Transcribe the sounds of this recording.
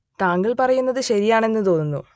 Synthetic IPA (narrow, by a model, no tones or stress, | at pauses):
t̪aːŋɡiɭpɐrɐjunːɐðɨɕɐɾijaːɳe̞nːɨt̪o̞ːnunːṵ